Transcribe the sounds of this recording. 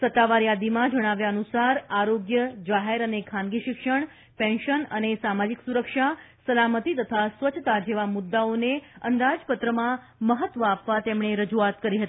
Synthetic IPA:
sət̪ːaʋaɾjad̪imãd͡ʒəɽ̃aʋjaənusaɾaɾoɡjəd͡ʒaɦeɾənekʰanɡiʃɪkʂəɳ̃ | pɛ̃nʃənənesamad͡ʒiksuɾəkʃa | səlamət̪it̪ət̪ʰasʋət͡ʃʰət̪ad͡ʒeʋamʊd̪ːaoneə̰nd̪ad͡ʒpət̪ɾəmã | məɦət̪ʋəapʋat̪emɳ̃eɾəd͡ʒuat̪kəɾiɦət̪i̥

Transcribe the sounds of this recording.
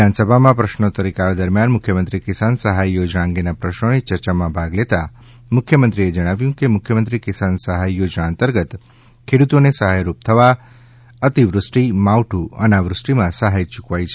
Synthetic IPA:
ansəbʱamãpɾəʃnot̪əɾikaɾd̪əɾmjanmʊkʰjəmənt̪ɾikɪsansəɦajjod͡ʒnãŋɡenapɾəʃnonet͡ʃəɾt͡ʃamãbʱaɡlet̪a | mʊkʰjəmənt̪ɾied͡ʒəɽ̃aʋjũkemʊkʰjəmənt̪ɾikɪsansəɦajjod͡ʒnaənt̪əɾɡət̪ | kʰeɽut̪onesəɦajɾup̚t̪ʰəʋa | ət̪iʋɾʊsʈimawʈʰuə̰naʋɾʊsʈimãsəɦajt͡ʃukʋajt͡ʃʰe

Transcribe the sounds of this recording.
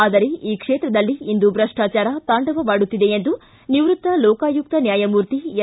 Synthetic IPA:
aːd̪ɐɾeʔiːkʂeːt̪ɾɐd̪ɐlːiːnd̪ubɾɐʂʈaːt͡ʃaːɾɐt̪aːɳɖɐʋɐʋaːɽut̪ːid̪e̞end̪u | niʋɾut̪ːɐlɔːkaːjuk̚t̪ɐnjaːjɐmuːɾt̪ie

